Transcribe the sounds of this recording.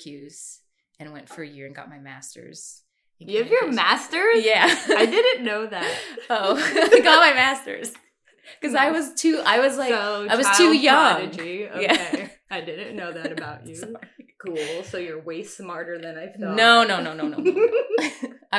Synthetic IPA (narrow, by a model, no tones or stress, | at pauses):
kʰjʉz̥ | ɨ̃nwɛ̃ntfə˞ɨjɪɹɨ̃nɡɑ̰t̚maɪmæ̰stə̰˞z̥ | jɨvjə˞mæstə˞jæaɪdɪdⁿn̩noʊðætoʊɪɡɑt̚maɪmæstə̰˞z̥ | kʌzaɪwʌz̥tʰʉʔa̰ɪwʌzlaɪoaɪwʌz̥tʰʉjʌ̃ŋdɪd͡ʒio̰jæe | aɪdɪdⁿn̩noʊðæɾɨbaʊt͡ʃʉkʰulˠsoʊjə˞weɪsmɑɹɾə˞ðɨ̃naɪθnoʊnoʊnoʊ̃noʊno̰ | a